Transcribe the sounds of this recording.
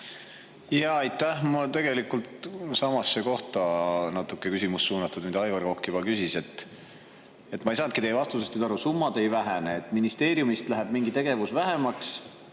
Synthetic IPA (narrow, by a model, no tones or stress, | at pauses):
jɑɑjt̪ːæhmɑt̪e̞ɡ̥e̞likult̪sɑmɑsːeko̞ht̪ɑnɑt̪ˑukːˑekysimussuːnɑt̪ːˑud̪mid̪ɑɑjɡɑrokːibɑkysise̞t̪ː | e̞t̪ːmɑejsɑːnt̪kit̪ejvɑst̪usest̪nyːd̪ɑɾusumːɑd̪e̞jvæɦeneːt̪ːˑminist̪e̞ːɾjumist̪læɦeb̥miŋɡ̥it̪e̞ɡ̥e̞vusvæɦe̞mɑks